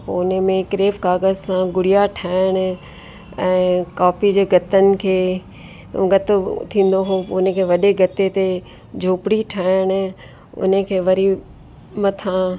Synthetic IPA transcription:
po̰ʊnəmẽkɾeːʋkaːɡəzsãɡʊɽijaʈʰaːɪɽ̃̆ | ɛ̃ːkaːpid͡ʑeːɡʱɐt̪ənɪ̆kʰeː | ɡɐt̪ot̪ʰĩːn̆d̪oɦõʊnkʰeːʋɐɗeɡɐt̪et̪e | d͡ʑʱoːpɪɽiʈʰaːɪɽ̃̆ | ʊ̰nəkʰeːʋɐɾi | mɐt̪ʰã

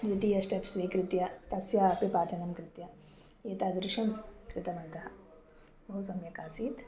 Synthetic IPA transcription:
d̪ʋit̪iːjɐsʈepsʋiːkɾɪt̪jɐt̪ɐsjaːɐpipaːʈ̪ʰɐnɐmkɾɪt̪jɐ | eːt̪aːd̪ɾɪʃɐmkɾɪt̪ɐbɐnt̪ɐɦɐ | bɐɦusɐmjɐkaːsiːt̪

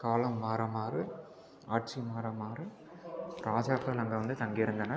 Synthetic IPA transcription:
kaːlɐmːaːɾɐmaːɾɯ | aːʈ̚t͡ʃimaːɾɐmaːɾɯ | ɾaːd͡ʒaːkːaːlɐŋɡeʋɐnd̪ɯt̪ɐŋɡɪɪɾɯnd̪ɐnɐ

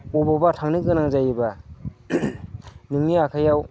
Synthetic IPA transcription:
ɔbabatʰaŋnɯɡɯnaŋzajiba | nɯŋniakʰajaw

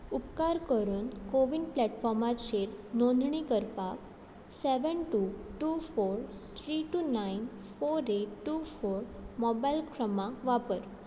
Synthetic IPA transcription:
upkaɾkəɾuːnkoʋiɳɖplɛʈfɔɾmat̪ɕeɾnõnd̪ʱɳikəɾpak | sɛʋənʈuʈufoɾ | t̪ʰɾiʈunain | foɾeʈːufoɾmɔbajlkʰɾəmãʋapəɾ

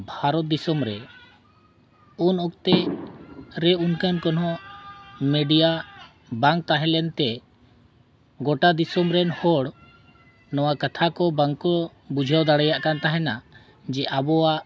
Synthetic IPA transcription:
bʱaɾɔt̪̚d̪isɔmɾɛ | unɔk̚t̪ɛ | ɾɛunkankɔnɦɔ̃ | mɛɖija | baŋk̚t̪aɦɛ̃lɛnt̪ɛ | ɡɔʈad̪isɔmɾɛnhɔɽ | nɔwakat̪ʰakɔbaŋkɔ | bud͡ʒʱawd̪aɽɛjaʔkant̪aɦɛna | d͡ʒɛʔabɔwaʔ

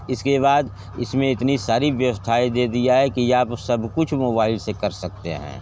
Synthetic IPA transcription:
ɪskeβaːd̪ | ɪsmẽɪt̪nisaːɾiʋjəst̪ʰaːid̪eːd̪ijaɦɛkiaːpsɐbʱkʊt͡ʃʰmoːbaːɪlsekɐɾsɐk̚t̪ḛɦɛ̰̃ː

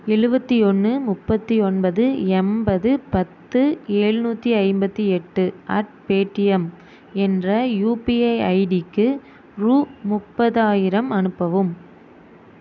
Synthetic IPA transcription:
ɛɻɯbɐt̪ːiɔnːɯmʊpːɐt̪ːiɔnbɐðɯɛmbɐðɯpɐt̪ːɯeːɻnuːt̪ːiɐɪmbɐt̪ːiɛʈːɯʔɐ̰ʈ̚peːʈːɪjɛm | ɛndrɐjuːpiɐɪɐɪɖɪkːɯ | ɾuːmʊpːɐðaːjɪɾɐmɐnɯpːɐʋɯm

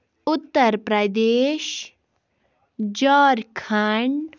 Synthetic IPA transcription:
ʊt̪ːəɾpɾəd̪eːʃ | d͡ʒɔːɾkʰaɳ

